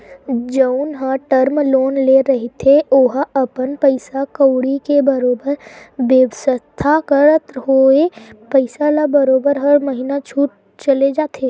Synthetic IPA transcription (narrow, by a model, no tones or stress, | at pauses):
d͡ʒəʊnɦəʈəɾmloːnleɾɐɦet̪ʰeoɦɐpənpəɪsakəwɽikebɐɾoːbəɾbeːʋsəst̪ʰakəɾət̪ɦoːepəɪsalabɐɾoːbəɾɦəɾməɦinat͡ʃʰuːʈ̚ | t͡ʃɐled͡ʒaːt̪ʰeː